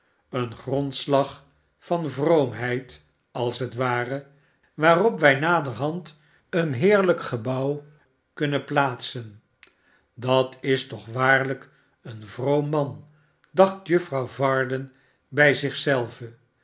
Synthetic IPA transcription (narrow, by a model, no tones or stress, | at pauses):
ənχrɔntslɑχ | fɑnvrowmɦɛjt | ɑlˠsɦətʋaːrə | ʋaːrɔpʋɛjnaːdərɦɑnt | ənɦɪːɹləkχəbɑw | kɵnəplaːtsən | dɑtɪstɔχʋaːɹlək | ənvrowmːɑn | dɑχtjɵfrɑwvɑːɹdən | bɛjzɪχsɛlˠvə